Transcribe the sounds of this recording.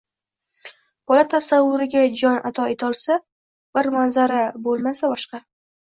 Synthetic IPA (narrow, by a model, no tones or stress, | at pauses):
b̥ɒlat̪ʰasavːʊɾɪɡʲad͡ʒɒnʔat̪ʰɒet̪ʰɒlˠsa | b̥ɪɾmanzaɾabolˠmasabɒʃqɑ